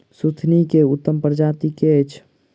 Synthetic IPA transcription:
sut̪ʰnikeʊt̪ːəmpɾəd͡ʒaːt̪iket͡ʃʰ

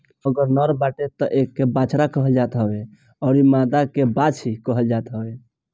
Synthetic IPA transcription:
əɡəɾnɔɾbaʈet̪əʔekːebat͡ʃʰɾakəɦəld͡ʒat̪ɦəbe | ɔːɾimad̪akebat͡ʃʰikəɦəld͡ʒat̪ɦəbe

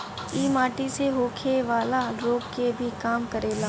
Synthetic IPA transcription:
iːmaːʈiseɦoːkʰeʋaːlaɾoːɡkebʱikaːmkɐɾeːlaː

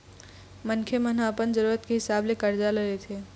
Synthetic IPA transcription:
mɐnkʰemənaːpənzəɾuːɾət̪keɦɪsaːblekɐɾd͡ʒaləlet̪ʰeː

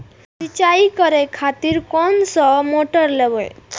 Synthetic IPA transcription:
sit͡ɕaikəɾekʰat̪iɾkɔnsɔmoʈɔɾlɛbəɭ

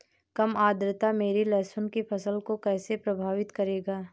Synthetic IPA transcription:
kɐmaːd̪ɾət̪ameːɾilɛːsʊnkipʰɐsəlkokɛːsepɾɐbʱaːʋɪt̪kɐɾeːɡaː

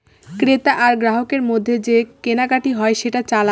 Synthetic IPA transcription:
kɾet̪aʔaɾɡɾaɦokeɾmod̪ʱːed͡ʑekenaɡaʈiɦɔeʃeʈat͡ɕala

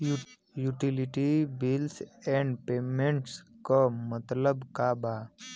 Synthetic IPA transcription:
juʈiliʈibilsɛ̃ɳɖpeːmẽɳʈskəmət̪ləbkabaː

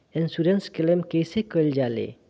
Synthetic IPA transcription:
ensuɾenskelemkejsekəld͡ʒalḛ

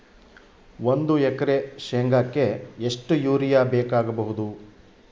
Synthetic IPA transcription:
ʋond̪uɛkɐɾeʃeŋɡakːe̞eʂʈujuːɾijaːbɛːkaːɡɐbɐɦud̪u

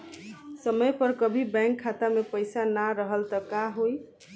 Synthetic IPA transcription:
səmʌjpʌɾkʌbʱibaŋkʰːat̪amepəjsanaɾəɦəlt̪ʌkaɦoj

